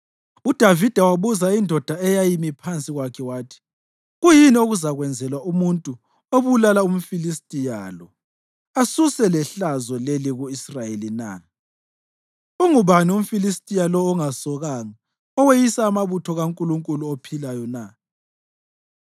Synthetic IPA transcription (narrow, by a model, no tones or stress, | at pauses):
ud̥ʱavid̥ʱawaβuzaindʱɔd̥ʱaɛjajimipʰant͡sʼiɣwakʰɛwaːtʰi̥ | ɣujinioɣuzaɣwɛnd͡zʱɛlwaumuntʼu | oβulalaum̩filistʼija̰lɔ | asusɛlɛɬazɔleliɣuisrajelina̰ | uŋuβanium̩filistʼijalɔːŋasɔɣaŋa | ɔwejisaːmaβutʰɔɣaŋkʼuluŋkʼuluopʰilajɔna